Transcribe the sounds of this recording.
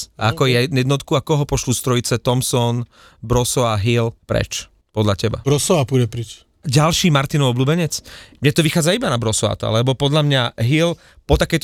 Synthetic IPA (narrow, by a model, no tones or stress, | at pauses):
akɔjɛjɛd̪nɔt̪kuakɔɦɔpɔʃlust̪ɾɔjit͡sɛt̪ɔmsɔn | bɾɔsɔaɦilpɾɛ̰t͡ʃ | pɔd̪ʎacɛba̰bɾɔsɔapudɛpɾit͡ʃ | ɟalʃiːmaɾt̪inɔɔbluːbɛɲɛt͡smɲɛt̪ɔʋixaːd͡zaibanabɾɔsɔa̰ːt̪a̰lɛbɔpɔd̪ʎamɲaɦil | pɔt̪akɛjt̪ɔ